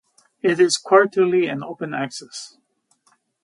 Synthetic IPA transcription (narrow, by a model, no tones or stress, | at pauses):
ɪɾɪz̥kʰw̥ɔɹtɨlˠiɨ̃noʊpɨ̃næksɛs